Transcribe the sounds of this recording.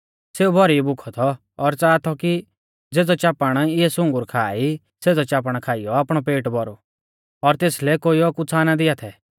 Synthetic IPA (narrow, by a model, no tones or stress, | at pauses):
seːubʱɔɾibʊkʰɔt̪ʰɔː | ɾt͡saːt̪ʰɔki | d͡zeːd͡zɔt͡ʃaːpaɽ̃ɪɛsʊ̃ŋɡʊɾkʰaːi | seːd͡zɔt͡ʃaːp̬aɽ̃kʰaːɪjɔaːpɽ̃ɔpeːʈbɔɾṵ | ɔɾt̪eːslɛkoːiɔkut͡sʰanad̪ɪat̪ʰɛ